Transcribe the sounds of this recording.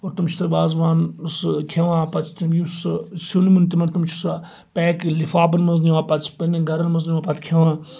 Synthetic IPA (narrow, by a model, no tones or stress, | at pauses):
oɾt̪umt͡ʃʰi̥t̪ɐbaːzʋaːnskʰeʋãːpɐt̪ʰt̪ʲimjussunmɨnt̪imɐnt̪umt͡ʃʰi̥s | pɛːklifaːbɐnmɐzniʋãːpɐt̪spɐniɡɐɾɐnmɐzniʋãːpɐt̪ʰʲkʰeʋãː